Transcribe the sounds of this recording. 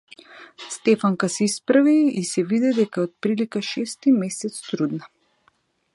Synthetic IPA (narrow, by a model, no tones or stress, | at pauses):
st̪ɛfaŋkasɛispɾaviisɛvid̪ɛd̪ɛkaɛot̪̚pɾilikaʃɛst̪imɛsɛt̪st̪ɾud̪na